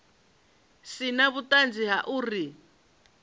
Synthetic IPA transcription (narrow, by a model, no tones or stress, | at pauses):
sinaβutʼand͡ziɦaʔuːri